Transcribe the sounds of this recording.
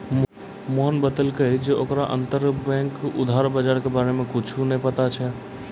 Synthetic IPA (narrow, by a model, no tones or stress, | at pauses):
moɦənbəd̪əlkəd͡ʒeʔokɾaʔə̰nt̪əɾbɛ̃ŋkṵd̪ʱaɾbad͡ʒaɾkebaɾemẽkut͡ʃʰunəipət̪at͡ʃʰɛ